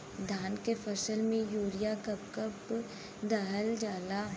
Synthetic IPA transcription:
d̪ʱaːnkefʰəsəlmẽjoːɾijakɐp̚kəp | d̪aɦəld͡ʒaːlaː

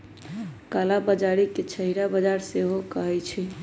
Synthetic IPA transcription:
kalabəd͡ʒaɾiket͡ʃʰəɦiɾabəd͡ʒaɾseɦokəɦɛt͡ʃʰɛ

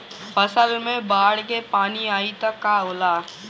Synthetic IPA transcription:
fɐsəlmẽbaːɽk̬epaːniaːit̪ɐkːaoːlaː

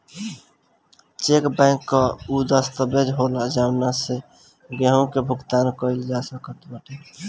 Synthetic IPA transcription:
t͡ʃekbɛ̃ɪkːəud̪əst̪əbed͡ʒɦolad͡ʒabnase | ɡeɦũkebʱuɡt̪ankəild͡ʒasəkət̪bəʈʰi

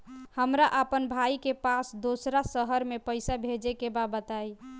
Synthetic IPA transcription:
həmɾaʔəpənbʱaikepasd̪osɾasəɦəɾmepəjsabʱed͡ʒekebabət̪aj

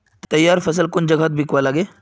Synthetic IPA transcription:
t̪ɐjːaɾfəs̬əlkond͡ʒəɡʱat̪̚bʱikʋalaːɡe

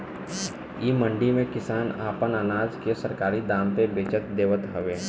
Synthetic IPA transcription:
iːmə̃ɳɖimẽkɪsaːna̰ːpənəːnaːd͡ʒkesɐɾkaːɾid̪aːmt̪ebeːt͡ʃət̪d̪eːʋət̪ɦɐʋeː

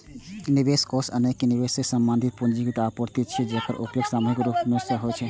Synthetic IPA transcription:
nibeskosə̰nekːenibesesəmbənd̪ʱit̪̚pund͡ʒikit̪apuɾt̪it͡ʃʰid͡ʒekəɾʔṵpjəɡsamuɦikɾupmesəɦot͡ʃʰɛ

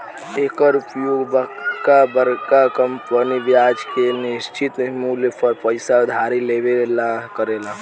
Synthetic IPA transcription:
ekəɾupjoɡbəkabəɾkakəmpəniʋjad͡ʒkenist͡ʃit̪muljpəɾpəɪsad̪ʱaɾilebelakəɾela

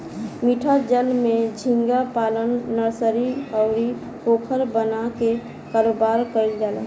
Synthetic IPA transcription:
miʈʰad͡ʒəlmẽd͡ʒʱĩŋɡapaːlənːəɾsəɾiəʊɾi | poːkʰəɾbənake | kaɾoːbaɾkəɾild͡ʒaːla̰

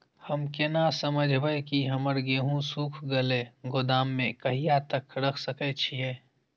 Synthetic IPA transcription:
həmkenasəməd͡ʒʱbəekiɦɐməɾɡeːɦũsuːkʰɡəleɡʊd̪aːmːẽkɐɦijat̪əkʰɾəkʰsəkɛt͡ʃʰieː

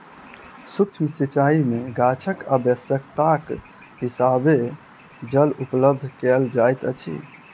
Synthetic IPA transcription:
sukt͡ʃʰmsit͡ʃaimeɡat͡ʃʰəkəbjəsjək̚t̪ak | ɦisabe | d͡ʒəlupləb̚d̪ʱkɛld͡ʒajt̪ət͡ʃʰḭ

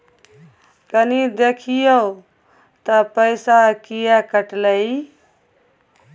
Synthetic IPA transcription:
kənid̪ekʰijə | t̪əpəɪsakijakəʈləi

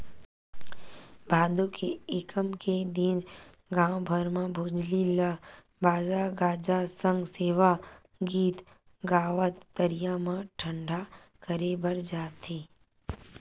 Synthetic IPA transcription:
bʱaːd̪ukeɪkəmked̪in | ɡãːwbʱəɾmãbʱoːd͡ʒlila | baːd͡ʒaːɡaːd͡ʒasə̃ŋɡseːʋa | ɡiːt̪ | ɡaːʋət̪ːəɾijamãʈʰə̃ɳɖʱa | kəɾebəɾd͡ʒaːt̪ʰiː

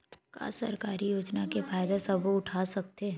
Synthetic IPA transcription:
ka̰ːsɐ̰ɾkaːɾijoːd͡ʒnakefaːjd̪esɐbʱʊʈʰaːsɐk̚t̪eː

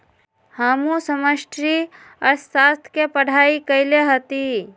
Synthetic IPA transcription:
haːmusəməʃʈɾi | əɾsaːst̪ʰkepəɽ̤ʱaːikəɪleɦət̪i

